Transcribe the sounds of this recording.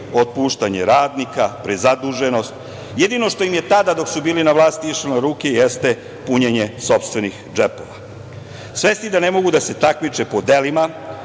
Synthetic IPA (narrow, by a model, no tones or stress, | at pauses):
ot̪̚puʃt̪aɲeɾaːd̪nikapɾezad̪uʒe̞no̞st̪̚ | jed̪ino̞ʃt̪o̞jimje̞t̪ad̪ad̪o̞ksubiːlinaʋlˠaːst̪iiʃlenoɾuːke̞jest̪e | puɲeɲe̞so̞pst̪ʋe̞nixd͡ʒepo̞ʋa | sʋe̞st̪id̪ane̞mo̞ɡud̪ase̞t̪akmit͡ʃe̞po̞d̪e̞lima